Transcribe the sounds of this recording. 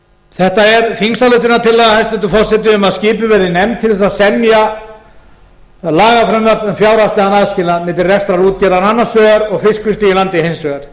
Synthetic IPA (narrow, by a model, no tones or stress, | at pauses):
θɛht̪aɛɾfinsalœːt̪̬ɪnat̪ʰɪlːaðhanst̪ɛt̪ʏfɔr̥sɛt̪ɪʏmaðsciːpʏvɛɾðɪnɛmt̪ʰɪlθɛs̬asɛmja | laːɣafɾɛmvœɾnɛnfjawɾast̪lɪɣanaːðscɪːlamɪːt̪ɪrɛkst̪ɾaɾuːt̪̚cɛlananːasœːɣaɾɔɣfɪskʰvʏst̪ɪilant̪ɪhejmsœːɣaɾ̥